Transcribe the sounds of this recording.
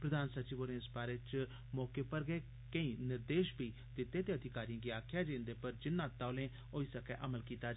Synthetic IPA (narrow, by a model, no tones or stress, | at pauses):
pɾəd̪aːnsət͡ʃiːboːɾnẽspaːɾet͡ʃ | mɔːkeːpəɾɡeː | kəĩːnɪɾd̪eːʃbʱiː | d̪ɪt̪ːẽːt̪eːəd̪ʱɪkaːɾiãːɡiːaːkʰjaːd͡ʒẽːnd̪eːpəɾd͡ʒɪnːãːt̪aoːlẽː | oːiːsəkɛːʔəməlkiːt̪aː